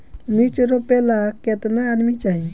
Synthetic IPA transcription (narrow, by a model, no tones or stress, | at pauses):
lit͡ʃɾopelaket̪naːd̪mit͡ʃaɦĩ